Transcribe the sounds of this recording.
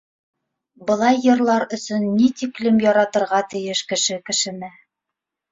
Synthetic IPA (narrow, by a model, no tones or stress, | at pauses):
bɤ̆lˠɑjːɤ̆ɾlˠɑɾɵ̆sɵnːit̪iklɘmjɒɾɑt̪ɤ̆ɾʁɑt̪ɘ̆jɘʃkɘ̆ʃɘkɘ̆ʃɘ̆mɘ